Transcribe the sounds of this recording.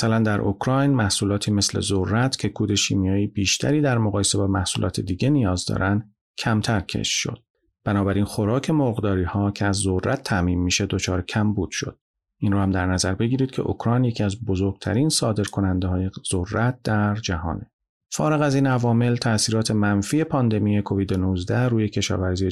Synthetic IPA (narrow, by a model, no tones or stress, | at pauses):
mæsælænd̪æɾʔokʰɾɒjnmæhsuːlɒːt̪ʰiːme̞slḛzorːæt̪ʰcʰe̞kʰuːd̪e̞ʃḭːmijɒːjiːbiːʃt̪ʰæ̰ɾiːd̪æɾmoɣɒːjese̞bɒːmæhsṵːlʔɒ̰ːt̪ʰḛd̪iːɟe̞nijɒːzd̪ɒ̰ɾʔænd̪̥ | cʰæmt̪ʰæɾcʰḛʃʃo̞̰d̪ | b̥ænɒːbæɾiːnxo̞ɾɒːcʰe̞moɾɣd̪ɒːɾiːhɒːcʰeæzːoræt̪ʰːæʔmiːmːiːʃe̞d̪ot͡ʃʰɒːɾecʰæmbuːd̪̥ʃo̞̰d̪̥̚ | ʔiːnɾuːhæmd̪æɾnæzæɾbe̞ɟiːɾiːd̪̥̚kcʰeʔo̰kʰɾɒjnjecʰiæzbozoɾɡ̥̚t̪ʰæ̰ɾiːnsɒːd̪e̞ɾkʰo̞nænd̪ehɒːje̞z̥orːæt̪̚d̪̥æɾd͡ʒæɦɒ̰ːne | fɒ̰ːɾe̞ɣæziːnævɒːme̞lt̪ʰæsiːɾɒːt̪ʰe̞mænfiːe̞pʰɒːnd̪e̞miːjekʰo̞viːd̪enuzd̪æɾuːje̞cʰe̞ʃɒ̰ːvæɾziːe